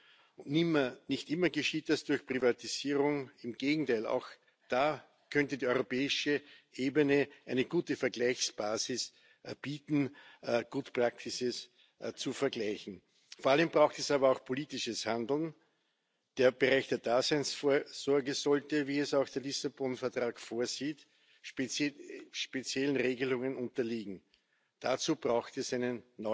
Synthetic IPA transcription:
ʊntnɪmɐnɪçtʔɪ̃mɐɡəʃiːt̚d̥asd̥ʊɐçpʁivatiz̥iːʁʊŋɪmɡ̥eːɡŋ̩tʰaɪla̰ʊx | d̥aː | kʰœntədiːɔʏʁopɛːɪʃəʔeːbənəʔæɪnəɡuːtəfɛɐɡlæɪçsb̥aːzɪs | b̥iːtn̩ɡ̥uːtpʁak̚tɪsəs | t͡sufɛɐɡlæɪçn̩ | foɐaləmbʁaʊxtɛsaːbɐɑʊxpʰoliːtɪʃəshãndl̩n | d̥eːɐb̥əʁæɪçd̥eːɐd̥aːzæɪnsfoːɐz̥ɔɐɡəzɔltəviːɛsaʊxd̥eːɐlisabɔnfɛɐtʁ̥aːkfoːɐziːt | ʃp | ʃpet͡sjɛln̩ʁeːɡəlʊŋənʊ̃ntɐliːɡŋ̩ | d̥at͡suːb̥ʁaʊxtɛsæɪnənːɔ

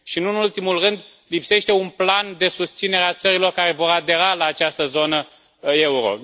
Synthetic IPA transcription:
ʃiɨnuɨnult̪imulrɨnd̪ | lipse̞ʃt̪eunpland̪e̞sust̪sine̞ɾeat̪səɾilo̞rkaɾe̞vo̞ɾad̪e̞ɾalaːt͡ʃast̪əzo̞nə | euɾo̞̰

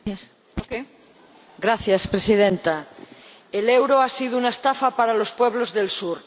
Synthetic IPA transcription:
s | poke | ɡɾaθjaspɾesið̞ẽnt̪a | elewɾoasið̞ounaest̪afapaɾalo̞spweβ̞lozðe̞lsuɾ

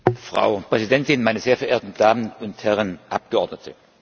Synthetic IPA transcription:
fʁ̥a̰ʊpʁ̥ɛzidɛntɪnnmaɪnəzeːɐfɛɐeːɐtn̩d̥aːmənʊnthɛʁənʔa̰p̚ɡ̥əɔɐdnətʰə

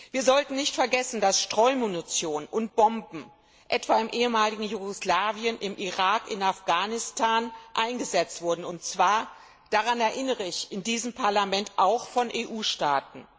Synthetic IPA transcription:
viːɐzɔltn̩nɪçtfɛɐɡɛsn̩dasʃtʁ̥ɔʏmunit͡sjoːnənʔʊnt̚b̥ɔmbm̩ | ʔɛtv̥aːɪmʔeːəmaːlɪɡŋ̩juɡoslaːviənʔɪmʔiʁaːkɪnafɡ̥aːnɪstʰaːnʔaɪnɡəzɛt͡stv̥ʊɐdn̩ʊntt͡sv̥aːɐ | d̥aʁanɛɐʔɪnəʁəɪçɪndiːzəmpʰaɐlamɛntʔaʊxfɔnʔeːʔuːʃtaːtn̩

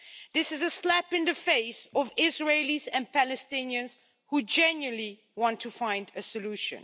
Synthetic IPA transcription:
ðɪsɨzɨslæpɨ̃nðɨfeɪsɔvɪzɹeɪlizɨ̃npælɨstɪ̃niɨ̃nz̥ | hud͡ʒɛ̃njɨ̃n̩li | wɑ̃ntʰufãɪ̃ndɨsɨluʃɨ̰̃n

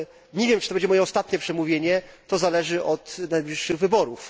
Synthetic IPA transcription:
ɲevʲjɛmt͡ʂɨ̥t̪ɔbɛɲd͡ʑɛmɔjɛɔst̪at̪ɲɛpʂɛmuvʲjeɲɛt̪ɔzalɛʐɘʔɔt̪najblʲiʂːɘɣvɘbɔɾuf

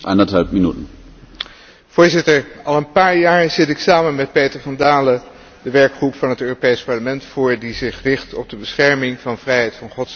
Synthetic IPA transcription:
ʔa̰nɐthalpminytn̩ | v̥ʊːɹzɪtəɹɑlˠənpaːɹjaːɹz̥ɪtɪksaːmənmɛt̚pejtəɹvɑndaːlə | dəʋɛɹkχrupfɑnɦətøːropejspɑɹləmɛntfʊːɹdizɪχrɪχtɔb̚dəbəsχɛɹmɪŋvɑnvrɛjɦɛjtfɑnχɔts

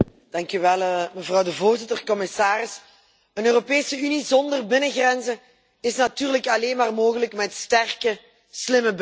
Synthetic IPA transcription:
d̥ɑŋkyʋɛlˠəməvrɑwdəvoːrzɪtərkɔmɪsaːrɪs | ənøːropeːsəynizɔndərbɪnəɣrɛnzən | ɪsnatyːrləkɑleːnmaːrmoːɣələkmɛtstɛrkə | slɪməb

